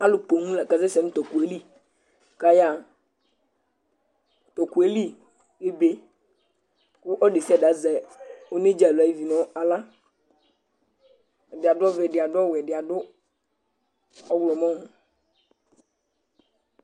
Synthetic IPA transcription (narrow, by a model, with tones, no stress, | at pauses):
a˦lʊ˨k͡po˨nũ˦la˨ka˨zɛ˦sɛ˨ñ̩˦t̪ɔ˨ku˨e˦li˦ | ka˦ja˦˨ | t̪ɔ˨ku˨e˦li˦ | e˦be˨ | kʊ˦ʔɔ˦de˨si˦a˨da˨zɛ˨o˦ne˦d͡ʒa˨lʊ˨a˨˦i˦vi˨nɔ̃˦a˨la˦˨ | dɪ˨a˨dʊ˦ɔ˦vɛ˨dɪ˨a˨dʊ˦ɔ˦wɛ˨dɪ˨a˨dʊ˦ | ɔ˦wlɔ˨mɔ̃˦nʊ˨